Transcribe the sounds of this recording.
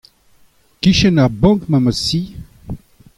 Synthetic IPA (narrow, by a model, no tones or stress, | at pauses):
kiʃənabɔ̃ŋkmaməsi